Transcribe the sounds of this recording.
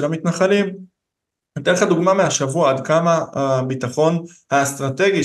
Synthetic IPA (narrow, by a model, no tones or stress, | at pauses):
elamit̪naχalim | ed̪eeχad̪uɡmameaʃavuaad̪kamaabit̪aχo̞n | hast̪ʁat̪e̞ɡi